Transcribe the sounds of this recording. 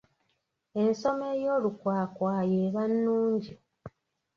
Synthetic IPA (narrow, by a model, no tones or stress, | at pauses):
e̞nso̞mejo̞ːlukwaːkwaːjeːβanːuːɲɟi